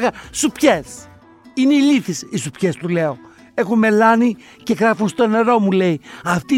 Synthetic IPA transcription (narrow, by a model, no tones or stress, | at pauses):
ɣɐsupçe̞s | ine̞iliθisisupçe̞st̪ule̞o̞ | e̞xunme̞lɐni | ce̞ɣɾɐfunst̪o̞ne̞ɾo̞mule̞iɐft̪i